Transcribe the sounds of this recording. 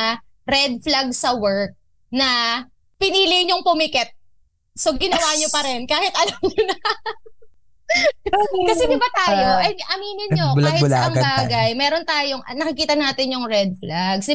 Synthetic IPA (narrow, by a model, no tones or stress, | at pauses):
ɾɛd̪̚flaɡsɐwɛɹk̚ | nɐ | pɪniːlɪjɲoŋpʊmɪkɛt̪̚ | soɡɪnɐwaːɲopɐɾɛnkaːhɪt̪ʔɐlɐmɲonɐ | kɐsɛd̪ɪbat̪aːjoʔɐʔɐmiːnɪnɲolːhɪlaɐŋbaːɡɐjmɛːɾont̪aːjoŋʔɐnɐkɪkiːt̪ɐnaːt̪ɪnjʊŋɹɛd̪̚flaɡsɪ